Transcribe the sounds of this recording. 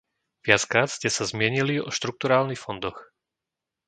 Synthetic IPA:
ʋɪat͡skɾaːt̪scɛsazmɪɛɲiliɔ̰ʃt̪ɾuk̚t̪uɾaːlnixfɔnd̪ɔx

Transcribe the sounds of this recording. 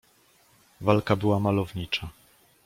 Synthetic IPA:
valkabɘwamalɔvɲit͡ʂa

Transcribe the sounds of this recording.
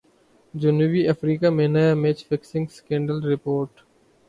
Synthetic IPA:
d͡ʒʊnuʋiɐfɾiːkameːnajameːt͡ʃfɪksɪ̃ŋɡskẽːɳɖəlɾɪpoːɾʈ

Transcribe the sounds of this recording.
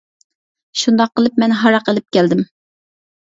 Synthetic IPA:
ʃund̪ɑqːəlˠɨpmɛnɦɑɾɑqəlˠɪp̚kʲʰɛld̪ɪm

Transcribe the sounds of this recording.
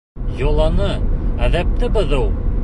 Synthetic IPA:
jŏlˠɑnɤæðæp̚t̪ɘbɤðulˠ

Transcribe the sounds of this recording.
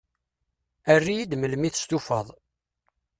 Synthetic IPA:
ərːijid̪məlmiθə̥st̪ufə̰ðˤ

